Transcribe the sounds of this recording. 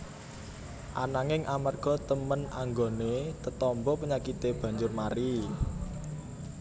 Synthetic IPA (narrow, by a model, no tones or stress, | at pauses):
ʔa̰naŋɪŋʔamarɡ̥ɔ̤t̪əmənaŋɡonet̪ət̪ɔmbɔpəɲakit̪eb̥ä̤ɲd͡ʒʊrmaɾi